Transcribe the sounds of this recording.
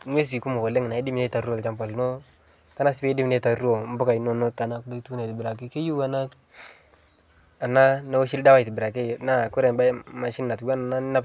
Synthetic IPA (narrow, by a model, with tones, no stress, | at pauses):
ŋwe˦s̬i˨ku˦mo˨ko˨le˦ŋ˨na˨i˦di˦m˨e˦ta˨ɾu˦o˦˨lt͡ʃa˦mpa˨lno˦ | ta˦na˦si˦be˦di˦m˨ne˦ta˨ɾu˦o˨m̩˦bu˦ka˨jno˦no˦ta˨na˦kdo˦tu˦na˨ti˨bɪ˨ɾa˨k̬i˦ke˦ju˦wa˦na˦ | a˨na˦na˦o˦ʃi˦lda˦wa˦˨i˨ti˨bɾa˨k̬e˦˨na˦˨ku˦ɾe˨ba˦ma˨ʃi˦nːa˨twa˦na˨na˦n˦na˦p